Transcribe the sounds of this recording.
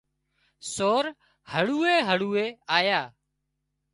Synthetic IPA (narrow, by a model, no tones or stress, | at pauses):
soːɾ | həɭuːeːɦəɽuːeːaːjaː